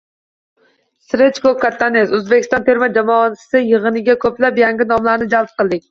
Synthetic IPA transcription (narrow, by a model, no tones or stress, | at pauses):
sɾet͡ʃkokʰaɾt̪ʰːanezøzbɪkʲist̪ɑnt̪ʰeɾmɛd͡ʒamɒːn̥ʰsɨjəʁɨnɪɡʲɛkʲʰøplæpjaŋɡʲɪnɒmlaɾnɪd͡ʒalˠp̚qʰəlˠd̪ɪk̚ʲ